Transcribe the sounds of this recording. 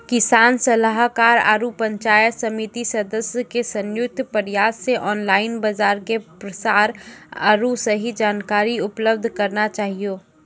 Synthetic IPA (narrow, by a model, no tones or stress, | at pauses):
kɪsaːnsɐləɦkaːɾa̰ːɾupə̃ɲt͡ʃaːjətsɐmit̪isɐd̪əsjəkesɐ̃njʊk̚t̪pəɾjaːsːeʔɔːnlaːɪnbəzaːɾkepɾəsaːɾa̰ːɾusəɦid͡ʒaːnkaːɾiʊpləbd̪ʱkɐɾnat͡ʃaːɦijoː